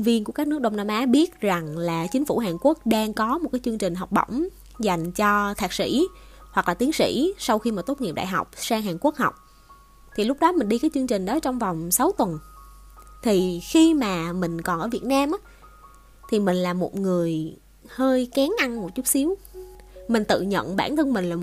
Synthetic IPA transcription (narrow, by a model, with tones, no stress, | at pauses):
ŋvi˧ənku˧˩əkaː˦˥k̚ɨ˦˥k̚ɗə˧wŋ͡mnaː˧mʔaː˨˦ɓi˦˥ət̚za˨˩ŋlaː˨˩t͡ɕï˨˦ŋ̟fu˧˩ɦaː˨˩nku˦˥ək̚ɗaː˧ŋkɔ˨˦mo˨˩t̚kaː˨˦t͡ɕɨ˧ŋt͡ɕï˨˩ŋ̟ɦɔ˨˩wk͡p̚ɗə̰˧˩wŋ͡m | za˨˩jŋ̟t͡ɕɔ˧t̪ʰaː˨˩k̚sḭ˧˥˨hwa˨˩klaː˨˩t̪i˨˦ənsḭ˧˥sa˧wxi˧maː˨˩t̪o˦˥t̚ŋi˨˩əpɗa̰ː˧˨jɦa̰˨˩wk͡p̚saː˧ŋɦaː˨˩nku˦˥ək̚ɦa˨˩wk͡p̚ | t̪ʰi˨˩lʊ˦˥k͡p̚ɗɔ˨˦mï˨˩ŋ̟ɗi˧kaː˨˦jt͡ɕɨ˧əŋt͡ɕï˨˩ŋ̟ɗɔ˨˦t͡ɕɔ˧wŋ͡mva˨˩wŋ͡msa˨˦wt̪wə˨˩n | t̪ʰi˨˩xi˧maː˨˩mï˨˩ŋ̟kɔ˨˩nʔəː˧˩vi˨˩ət̚naː˧mʔaː˧˦˥ | t̪ʰi˨˩mï˨˩ŋ̟laː˨˩mo˨˩t̚ŋɨ˨˩əj | həː˧jkaː˨˦nʔa˧nmo˨˩t̚t͡ɕu˦˥k͡p̚si˨˦əw | mï˨˩ŋ̟t̪ɨ̰˧˨ɲə̰˧˨nɓaː˧˩nt̪ʰɨ˧ŋmï˨˩ŋ̟laː˨˩˨